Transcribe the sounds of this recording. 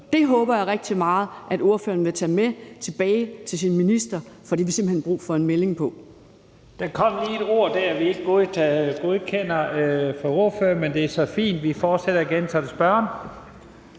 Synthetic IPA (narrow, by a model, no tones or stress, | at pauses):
d̥e̝ɦɔ̽ːb̥ɐjɑ̈ʁɛɡ̥̚d̥imɑ̈ːð̩ˠʔæd̥o̝ɐfø̰ːɐn̩ʋe̝t͡sʰɛ̰ːmet͡sʰe̝b̥ɛːɪt͡sʰe̝lsinminisd̥ɐfɒ̽d̥iʋise̝mb̥əhenb̥ʁṵːfɒ̽e̝nmele̝ŋpʰɒ̽ | d̥ækʰɒ̽m̰liːe̝d̥o̝ɐ̰d̥æɐæʋie̝ɡ̥əɡ̥oðˠʰɡ̥o̝ðˠkʰen̰ɐfɒo̝ɐføːɐmend̥e̝æɐsɒ̽fḭːnd̥ʋifɒːd̥seɾ̥ɐiɡ̥ensʰɒd̥esb̥ɶɐ̰n